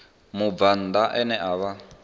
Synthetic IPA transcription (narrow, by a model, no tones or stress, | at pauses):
mub̪van̩d̪aʔɛnɛʔaβa